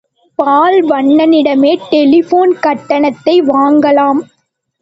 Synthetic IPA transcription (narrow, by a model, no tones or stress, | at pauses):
paːlʋɐɳːɐnɪɽɐmeːʈɛlɪfoːnkɐʈːɐɳɐt̪ːɐɪʋaːŋɡɐlaːm